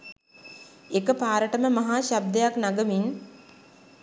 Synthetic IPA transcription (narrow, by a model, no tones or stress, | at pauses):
ekəpaːɾəʈəməmaɦaːɕab̚d̪ejaknaɡəmin